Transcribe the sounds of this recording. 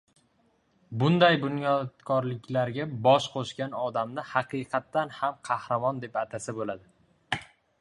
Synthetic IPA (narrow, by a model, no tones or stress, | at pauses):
bʊnd̪ajbʊnjɒt̪kʰɒɾlɪkʲlaɾɡʲabɒʃqʰoʃkʲanɒd̪amnɪhɑqʰɨjqʰɑt̪ːanhamqʰɑhɾamɒnd̪e̞pat̪ʰasɪbolad̪ɪ